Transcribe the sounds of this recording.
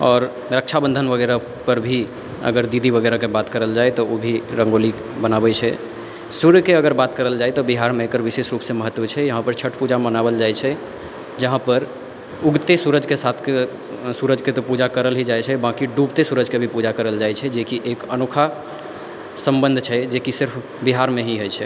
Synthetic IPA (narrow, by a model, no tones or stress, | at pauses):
ɔːɾ | ɾəkt͡ʃʰabə̃nd̪ʱənʋəɡɛɾa | pəɾbʱi | ə̰ɡəɾd̪id̪ʱibəɡɛɾakebat̪kəɾəld͡ʒaɛt̪ɔobʱiɾə̃ŋɡoli | bənabɛt͡ʃʰɛ | suɾkeəɡəɾbat̪kəɾəld͡ʒaɛt̪ɔbiɦaɾmẽekəɾʋisesɾupsẽməɦət̪ːwət͡ʃʰɛjəɦãpəɾt͡ʃʰəʈpud͡ʒamənabəld͡ʒaɛt͡ʃʰɛ | d͡ʒəɦãpəɾ | uɡt̪esuɾəd͡ʒʱkesat̪ʰke | suɾəd͡ʒʱket̪ɔpud͡ʒakəɾəlɦid͡ʒajt͡ʃʰɛbãkiɖubt̪esuɾəd͡ʒʱkebʱipud͡ʒakəɾəld͡ʒajt͡ʃʰɛd͡ʒekiʔekənokʰa | səmbənd̪ʱt͡ʃʰɛd͡ʒekisɪɾpʰ | biɦaɾmeɦiɦojt͡ʃʰɛ